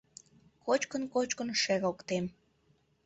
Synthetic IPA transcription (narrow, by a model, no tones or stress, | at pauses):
kot͡ɕkənkot͡ɕkənʃeɾokt̪em